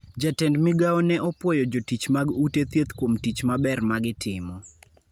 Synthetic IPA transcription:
d͡ʒatɛndmɪɡaɔnɛʔɔpwɔjɔd͡ʒotit͡ʃmaɡutet̪jet̪kwomtit͡ʃmabɛrmaɡɪtʰɪmɔ

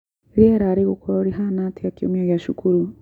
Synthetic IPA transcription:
eɾieɾaɾiɣukʰoɾoɾiɦanatijakjomioɣjaʃukʰuɾu

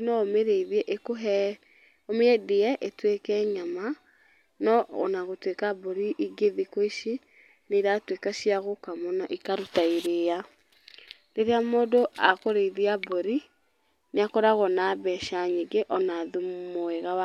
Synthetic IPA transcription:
nɔomeɾeiðiɛʔekoɦɛ | omeɛdeɛʔetwekɛɲama | nɔ̰ːnaɣotwekabɔɾiʔiɡeðikoiʃi | neɾatwekaɕiaɣokamɔnaʔikaɾutaiɾeːa | deɾeamoːdoʔakoɾeiðiaboɾi | neakɔɾaɣɔnabɛʃaɲeɡeʔɔnaðummoɛɣawa

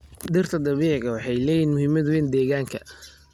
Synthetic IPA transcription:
d̪ɪrt̪ʰɐd̪ɐβiːʕɪɣɐwɑħɑjlɛːjiːnmʊhɪmɐd̪wɛːnd̪ɛːɣaːŋkʰɐ̰

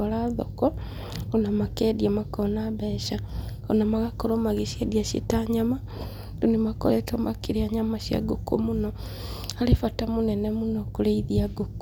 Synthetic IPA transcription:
ɔlaðo̰kɔ | onamakedjamakɔnaβɛʃa | onamaɣakɔɾomaɣeʃiediaʃḭtaɲama | dunimako̰letomakiɾiaɲamaʃja̰ɡoko̰muno | alifatamunɛnɛmunokuleiðiaɡok

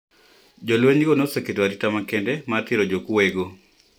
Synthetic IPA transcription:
d͡ʒolweɲɡonosɛketwaɾitamakendɛmatɪɾod͡ʒokwweɡo

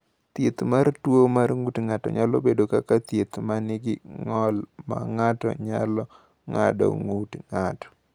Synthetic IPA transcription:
t̪jet̪martwomarŋutŋatɔ̰ɲalɔ̰bedokakat̪jet̪manɪɡɪŋɔlma̰ŋatɔ̰ɲalɔ | ŋa̰dɔ̰ŋutŋatɔ̥

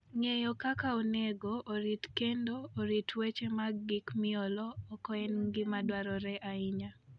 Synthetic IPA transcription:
ŋejɔkakaoneɡoʔːɾitkendoːɾitʰwet͡ʃemaɡːɪkmɪɔlɔːkɔɛnɡɪmadwaɾɔɾɛʔaiɲa

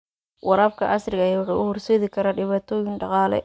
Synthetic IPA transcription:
wɑɾaːb̚kʰɐʔɐsrɪɣɐjaːwʊħɑːʊhʊrsɛːðɪkʰɐɾaːɖɪβaːt̪ʰɔːjɪŋɖɑqɑːlɛ̰

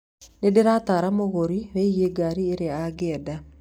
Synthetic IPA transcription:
nedeɾataːɾamoɣoɾiwɛɣeɡaɾieɾeaɡɛːda

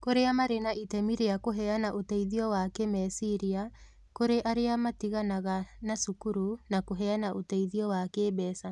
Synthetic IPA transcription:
koɾeamaɾenaʔitɛmiɾeakoɦɛanaʔotɛiðiɔwakɛmɛsiɾia | koɾeʔaɾeamatiɣanaɣanasukuɾunakoɦɛanaʔotɛiðiɔwakeːbɛːsa

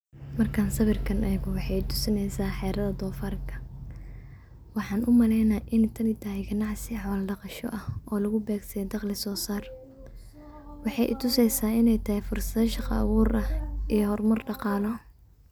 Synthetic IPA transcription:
mɐrkʰaːnsɐβɪrkʰɐnʔɐɣʊwɑħɑjɪt̪ʰʊ̥sɪnɛjsaːħɛːɾɐðɐd̪ɔːfaːrkʰɐ̥ | wɑħɑːnʔʊmɐlɛjnaːʔɪnɛt̪ʰɐnɪt̪ʰɐɦɛjɡɐnɑʕsɪħɔːlɖɑqɑʃɔ̰ʔɐhʔɔːlɐɣʊbɛːɡsɐɛd̪ɑqlɪsɔːsaːr | wɑħɑjʔɪ̰t̪ʰʊsɛjsaːɪnɛjt̪ʰɐhɛjfʊrsɐðɐʃɑqɑ̰ːwʊːɾɐʔijɔhɔrmɐrɖɑqɑːlɔ

